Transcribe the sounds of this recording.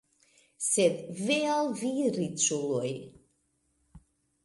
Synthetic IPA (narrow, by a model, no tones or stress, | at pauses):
sɛd̪vɛalˠvirit͡sʰuluj